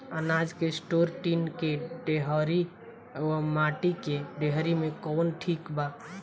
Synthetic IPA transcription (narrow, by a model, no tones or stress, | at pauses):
ənad͡ʒkesʈoɾʈinkeɖeɦɾi | maʈikeɖeɦəɾimekɔːnʈʰikba